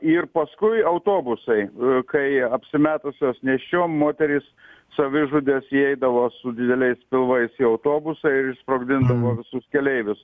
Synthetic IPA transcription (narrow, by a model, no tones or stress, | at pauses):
ɪrpɐskʊɪɐʊt̪oːbʊsɐɪkɐɪɐpʲsʲɪmʲæːt̪ʊsʲoːsnʲɛʃʲt͡ʃʲoːmmoːt̪ʲɛɾʲɪsː | ɐʋʲɪʒʊd̪ʲeːsiɛɪd̪ɐʋoːsʊd̪ʲɪd̪ʲɛlʲɛɪspʲɪlˠʋɐɪsiɐʊt̪oːbʊsɐɪɾɪʃspɾoːɡd̪ʲɪnd̪ɐʋoːʋʲɪsʊskʲɛlʲɛɪʋʲʊs